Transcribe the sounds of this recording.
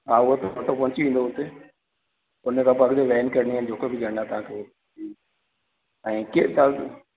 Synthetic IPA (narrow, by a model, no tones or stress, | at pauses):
ɦaːʊɦot̪ɐɐʈʰopɐɦɪt͡ɕiʋĩːnd̪oɦʊt̪e | ʊnəkʰãpɐɡd͡ʑoʋɛːnkɐɾɪniaɪn̆d͡ʑoːkebɪɡʱəɽ̃at̪ɐɦãkʰeːot | i | ɛ̃ːket̪a